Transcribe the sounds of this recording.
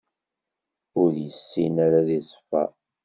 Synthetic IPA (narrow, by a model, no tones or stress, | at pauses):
ʊɾjəsːinaɾaðisˤə̥fːæ̰